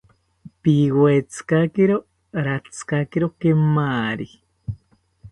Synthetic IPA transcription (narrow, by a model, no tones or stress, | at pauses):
piɣoet͡sʰɨ̥kakeɾo | ɾat͡sʰɨ̥kakeɾokemaːɾi